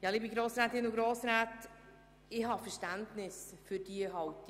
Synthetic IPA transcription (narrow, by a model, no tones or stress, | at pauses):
jɑːliːbiɡɾoːsɾɛːt̪ɪnʊɡɾoːsɾaːt | ɪɦɑfɛɾʃtæntnɪsfyɾd̥iəɦɑwt